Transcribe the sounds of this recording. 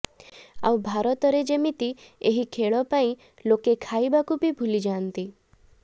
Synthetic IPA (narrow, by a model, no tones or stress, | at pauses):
a̰wbʱaɾɔt̪ɔɾed͡ʒemit̪ieɦikʰeɭɔpaĩ | lokekʰaibakupibʱulid͡ʒaːnt̪i